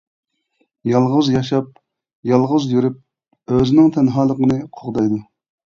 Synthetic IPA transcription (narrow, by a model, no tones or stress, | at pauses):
jɑlˠʁəzjɑʃɑp̚ | jɑlˠʁəzjyɾyp̚ | øzɪnɪŋt̪ʰɛnɦɑːlˠəqənɨqʰoʁd̪ɑjd̪u